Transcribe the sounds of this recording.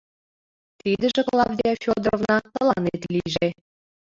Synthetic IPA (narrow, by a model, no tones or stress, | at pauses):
t̪id̪ə̆ʒĕklˠɑvd̪ʲæfʲod̪rovnɑt̪ɤə̆lɑnet̪lʲiʒe